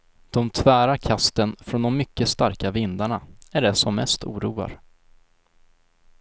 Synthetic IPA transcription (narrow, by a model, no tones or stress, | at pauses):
d̪̥ɔmt̪ʰvæːɾaɾkʰast̪ənfɾɔnd̪ɔmːʏkːəst̪aɾkavɪnd̪aɳaæɖɛsɔmːɛst̪ʰṵːɾuːa̰ɾ